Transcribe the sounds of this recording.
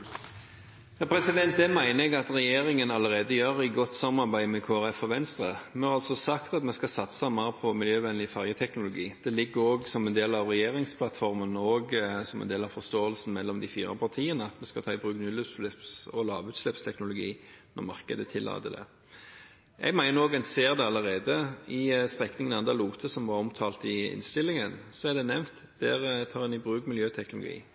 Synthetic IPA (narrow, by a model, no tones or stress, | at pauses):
jɑːpʰɾɛsɪd̪ɛnt̪̚d̪ɛmæɪnəɛɡɑt̪ʁɛjeːʁɪŋənɑləʁeːd̪əjøːɾɪɡɔt̪sɑmɑʁbæɪmɛkʰoːæʁɛfɔɾʋɛnst̪ʁəmɛhɑɾɑlsɔsɑkt̪ɑt̪mɛskɑsɑt̪səɑmɑʁpʰɔmɪljøːʋɛnlɪfæʁjət̪ʰɛknʊlʊɡiːd̪̥ɛlɪɡːəɾoːɡsɔmɛnd̪eːlɑʋʁɛjeːʁɪŋspʰlɑt̪fɔʁmənɔːɡsɔmɛ̰nd̪eːlɑfɔʁst̪oːəlsn̩mɛlːɔmd̪ɪfiːʁə̰pʰɑʁt̪ʰiːənəɑt̪mɛskɑt̪ʰɑːɪbʁʉːknʏlʉt̪slɪpsɔlɑːʋʉːt̪slɛpst̪ʰɛknʊlʊɡḭːnɔ̰ʁmɑ̰ʁkəd̪ət̪ʰɪlːɑ̰ːt̪əd̪ɛ̰ | ʔɛ̰ɡmæɪənoːɡɛnseːʁd̪ɛɑlːəʁeːd̪əɪst̪ʁɛknɪŋənɑnd̪ɑluːt̪ʰəsɔmʋɑɾɔmt̪ʰɑːlt̪ɪɪ̰nst̪ɪlːɪŋənsɔɛd̪ɛnɛʋnt̪ | d̪̥æʁt̪ʰɑːʁɛnɪbʁʉːkmɪljøːt̪ʰɛknʊlʊ̰ɡḭː